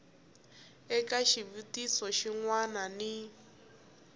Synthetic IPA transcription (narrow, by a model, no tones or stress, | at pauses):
ɛkaʃiβitisɔʃiŋwanani